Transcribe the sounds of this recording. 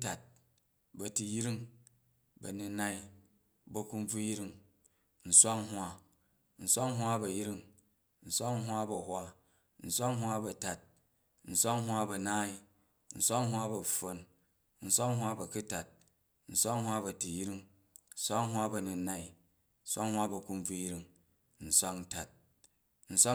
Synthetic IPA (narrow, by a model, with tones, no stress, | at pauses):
ta˨t̚ | bɐ˨tu˧jɾi˦ŋ | bɐ̰˨nu˧na˦i˦ | bɐ˨ku˧n˦b͡vu˦ji˦ɾi˦ŋ | n̩˨sʷa˦ŋɦwa˦ | n̩˨sʷa˦ŋɦʷa˦bɐ˨jɾi˦ŋ | n̩˨sʷa˦ŋɦʷwa˦bɐ˨hwʷa˦ | n̩˨sʷa˦ŋɦwa˦bɐ˨ta˨t̚ | n̩˨sʷa˦ŋɦwa˦bɐ˨naː˦i˦ | n̩˨sʷa˦ŋɦwa˦bɐ˨ɸo˦n | n̩˨sʷa˦ŋɦwa˦bɐ˨ku˦ta˨t̚ | n̩˨sʷa˦ŋhwa˦bɐ˨ti˨ji˦ɾi˦ŋ | n̩˦sʷa˦ŋɦʷwa˦bɐ˨nu˨nːa˦i˨ | n̩˦sʷa˦ŋhwa˦bɐ˨ku˧n˦b͡vu˧ji˦ɾi˦ŋ | n̩˨sʷa˦kn̩˦ta˨t̚ | n̩˨sʷa˦